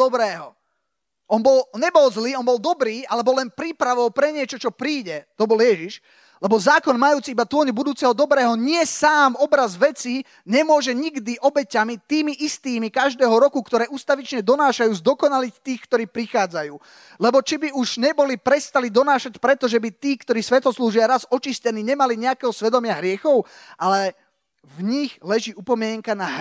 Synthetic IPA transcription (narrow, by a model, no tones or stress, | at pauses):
ɔbɾɛːɦɔ | ɔnbɔlɲɛbɔlzliːɔnbɔlˠd̪ɔbɾiːalɛbɔlɛnpɾiːpɾaʋɔlpɾɛɲɪɛt͡ʃɔt͡ʃɔpɾiːɟɛt̪ɔbɔljɛʒiʃ | lɛbɔzaːkɔnmajuːt͡siibat̪ʊɔɲbud̪uːt͡sɛɦɔd̪ɔbɾɛːɦɔɲɪɛsaːmɔbɾazʋɛt͡si | ɲɛmʊɔʒɛɲiɡd̪iʔɔbɛcamit̪iːmiʔist̪iːmikaʒd̪ɛːɦɔɾɔkukt̪ɔɾɛːʔuːst̪aʋit͡ʃɲɛd̪ɔnaːʃajuːzd̪ɔkɔnalict̪iːxkt̪ɔɾiːpɾixaːd͡zajuː | lɛbɔt͡ʃibiuʒɲɛbɔlipɾɛst̪alid̪ɔnaːʃacpɾɛt̪ɔʒɛbit̪iːkt̪ɔɾiːsʋɛt̪ɦɔsluːʒʊaɾazɔt͡ʃiscɛniːɲɛmaliɲɛakɛːɦɔsʋɛd̪ɔmɪaɦɾɪɛxɔʊ | ʔalɛ | vɲiɣlɛʒiːupɔmɪɛŋkana